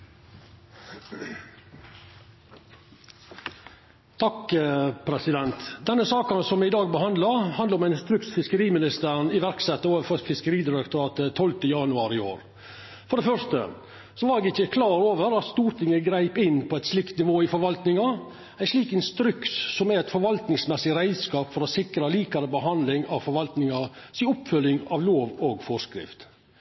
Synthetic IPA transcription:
t̪ʰɑkpʰɾɛsɪd̪ɛnt̪d̪ɛnːəsɑːkɑnsɔmɪd̪ɑːɡ̚bəhɑnd̪lɑhɑnd̪əɾɔmæɪnst̪ɾʏksfɪskəɾiːmɪnɪst̪əɾɳɪʋæɾksɛt̪ːəoːʋəfɔɾfɪskəɾiːd̪ɪɾɛkt̪ʊɾɑːt̪ət̪ʰɔlt̪əjɑnʉɑːɾɪoːɾ | fɔɖɛfœʂt̪ə̰ | sɔʋɑɾɛɡɪçːəkʰlɑːɾoːʋəɾɑt̪st̪uːɾt̪ʰɪŋːəɡɾæɪpɪnːpʰɔɛɪt̪ʂlɪkt̪nɪʋoːɪfɔɾʋɑlt̪nɪŋɑ | æɪʂɭiːkɛnst̪ɾʏksːɔmæɛt̪fɔɾʋɑlt̪nɪŋsmɛsːɪɾæɪd̪skɑːpfɔɾɔsɪkɾɑliːkɑɾəbəɦɑnd̪lɪŋɑʋfɔɾʋɑlt̪nɪŋɑsɪɔpfœlːɪŋɑʋloːʋɔɡfɔskɾɪ̰ft̪

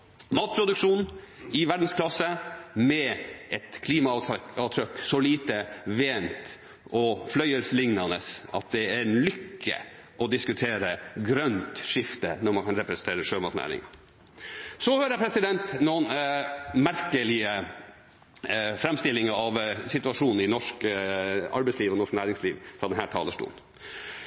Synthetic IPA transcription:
mɑːt̪̚pʰɾʊd̪ʉkʂuːn | ɪʋæɖn̩skʰlɑsəmɛɛt̪kʰliːmɑɑːt̪ʰɾœkːsɔliːt̪əʋeːnt̪ | ʔɔflœʏəlsəlɪŋnɑnəsɑ̰t̪̚d̪ɛæɾlʏkʰːə̰ | ʔɔd̪ɪskʉt̪ʰeːɾəɡɾœnt̪ʂɪft̪ənɔɾmɑnkʰɑnɾɛpɾɛsnt̪ʰeːɾəʂøːmɑɾk̪næ̰ːɾɪ̰ŋɑ | sɔhøːɾəpʰɾɛsɪd̪ɛnt̪nuːn | mæɾkəlɪə | fɾɛmst̪ɪlːɪŋəɑʋsɪt̪ʉɑʂuːnn̩ɪnɔʂk | ɑ̰ɾbɛɪsliːʋɔnɔʂknæːɾɪŋsliːʋfɾɑːd̪ɛnɦæːʈʰɑːləʂʈṵːn

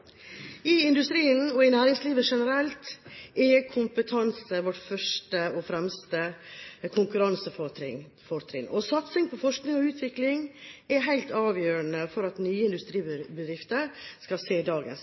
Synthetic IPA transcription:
ɪɪnd̪ʉst̪ɾiːənɔɪnæːɾɪŋsliːʋəʂɛnəɾɛlt̪ɛkʰʊmpət̪ʰɑnsəʋɔʈfœʂʈəɔfɾɛmst̪əkʰʊŋkʉɾɑnsəfɔɪ | fɔɾt̪ʰɾɪ̰ŋɔsɑt̪sɪŋpʰɔfɔʂknɪŋɔʉːt̪ʰʋɪklɪŋɛɦæɪlt̪ɑːʋjøːɾənəfɔɾɑt̪nyːəɪnd̪ʉst̪ɾiːbəd̪ɾɪft̪əɾskɑseːd̪ɑːɡə̰ns

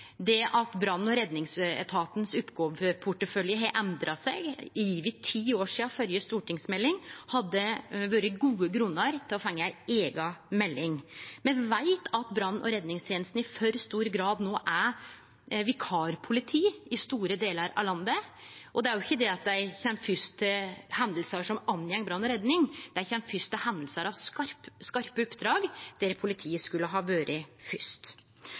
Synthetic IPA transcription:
d̪ɛʔɑt̪bɾɑnːn̩ɔɾɛd̪nɪŋsɛ̰t̪ʰɑːt̪nsʉpːɡoːʋpʰʊʈəfœljəɦɑʔɛnd̪ɾʔɑsɛɡjiːʋɪt̪ʰːiːoːʂiːɑfœljəst̪uːʈɪŋsmɛlːɪŋhɑd̪ːəʋøːɾəɡuːəɡɾʉnːəɾt̪ʰɪlɔfɛŋːəæɪeːɡɑmɛlːɪŋmɛʋæɪt̪ʰɑt̪bɾɑnːnʔɔ̰ɾɛd̪nɪŋst̪ʰjeːnsn̩ɪfœɾst̪uːɾɡɾɑːd̪noːʔæ | ʋɪkʰɑːɾpʰʊlɪt̪ʰiːɪst̪uːɾəd̪eːləɾɑ̰ʋlɑnd̪ə | ʔɔd̪ɛæɾjʊɪçːəd̪ɛɑt̪̚d̪æɪçɛnfʏst̪əhɛnd̪əlsɑʂɔmɑnjɛŋːəbɾɑnːɔɾɛd̪nɪŋd̪̥æɪçɛnfʏst̪əhɛnd̪əl̩səɾɑʋskɑɾpskɑɾpəʊpːd̪ɾɑːɡd̪̥eːɾpʰʊlɪt̪ʰiːəskʉlːəɦɑːʋøːɾəfʏst̪

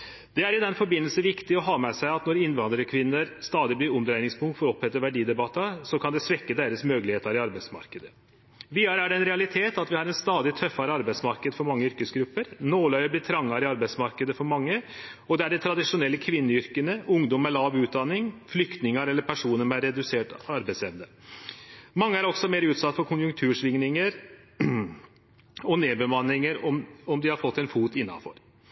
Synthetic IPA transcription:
d̪̥ɛæɾɪd̪ɛnfɔɾbɪnːəlsən̩ʋɪkt̪ɪɔɦɑːmɛsæɪɑt̪nɔɾɪnːʋɑnd̪ɾəəkʰʋɪnːəɾst̪ɑːd̪ɪblɪɾɔmd̪ɾæɪnɪŋspʰʊŋkt̪fɔɾɔphɛt̪ːəʋæɖiːd̪ɛbɑt̪ːɑsɔkʰɑnd̪ɛsʋɛkːəd̪eːɾəsmøːɡəlɪheːt̪ɑɾɪɑɾbæɪsmɑ̰ɾkəd̪ə | ʋiːɑɾəæɖɛɛnɾɛɑlɪt̪ʰeːt̪ɑt̪ʋɪhɑɾɛnst̪ɑːd̪ɪt̪ʰœfːɑɾəɑɾbæɪt̪smɑɾkəd̪fɔɾmɑŋːəʏɾkəsɡɾʉpːəɾnoːlœʏəblɪt̪ʰɾɑŋːɑɾɪɑɾbæɪsmɑɾkəd̪əfɔɾmɑŋːə | ɔd̪ɛæɖɛt̪ʰɾɑd̪ɪʂʊnɛlːəkʰʋɪnːəʏɾkənəʊŋd̪ɔmːɛlɑːʋʉːt̪̚d̪ɑnːɪŋflʏkt̪nɪŋəɾɛlːəɾpʰæʂuːnəmɛæɾɛd̪ʉseːʈɑɾbæɪtslɛʋnə | mɑŋːəæɾɔksɔmeːɾʉːt̪sɑt̪ːfɔɾkʰʊnjʊŋk̚t̪ʰʉːʂʋɪŋnɪŋəɾ | ɔneːbəmɑnːɪŋəɾɔmɔmd̪ɪhɑɾfɔt̪ːɛnfuːt̪ɪnːɑ̰nfɔ̰ɾ

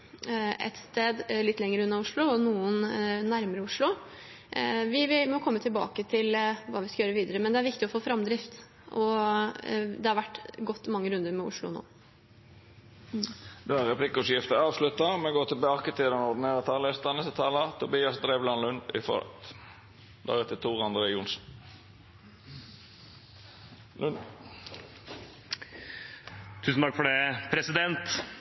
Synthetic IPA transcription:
ɛ̰t̪st̪eːd̪lɪt̪ːlɛŋːəɾəʉnːɑʊʂɭʊɔnuːənnæɾməɾəʊʂlʊ | ʋɪʋɪmɔkʰɔmːət̪ʰɪlbɑ̰ːkət̪ʰɪlʋɑːʋɪskɑjøːɾəʋiːd̪əɾəmɛnd̪ɛæɾʋɪk̚t̪ɪɔfoːfɾɑmd̪ɾɪft̪ | ʔɔ | d̪ɛhɑɾʋæʈːɡɔt̪ːmɑŋːəɾʉnd̪əɾmɛʊ̰ʂlʊ̰no̰ː | d̪̥ɛæɾʁɛpʰlɪkːʊsjɪft̪əɑːʋslʉt̪ːɑmɛɡoːt̪ʰɪlbɑːkət̪ʰɪd̪ənɔd̪ɪneːʁət̪ʰɑːləst̪ɑnəsət̪ʰɑːlɑt̪ʰʊbiːɑsd̪ɾeːʋlɑnlʉnɪ̰fɔ̰ːɾ̰t̪ | d̪ɑ̰ːɡət̪ʰɪt̪ʰuːʁɑnd̪ɾəʊnsn | n | t̪ʰʉːsn̩t̪ɑkfɔɖɛpʰɾɛsɪd̪ɛnt̪

